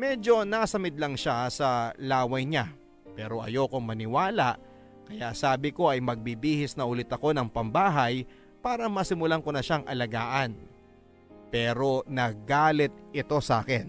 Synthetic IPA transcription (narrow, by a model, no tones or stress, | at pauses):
mɛːd͡ʒo̞nasɐmɪd̪̚lɐŋʃasɐlaːwɐjɲa | pɛːɾo̞ʔɐ̰jo̞koŋmɐnɪwaːlaʔ | kɐjaʔsaːbɪko̞ʔɐjmɐɡ̚bibiːhɪsnɐʔʊlɪt̪ɐko̞nɐŋpɐmbaːɦɐj | paːɾɐmɐsɪmʊlaŋkonɐʃaŋʔɐ̰lɐɡaːʔɐn | pɛːɾo̞nɐɡaːlɪt̪̚ʔɪt̪o̞saːkɛn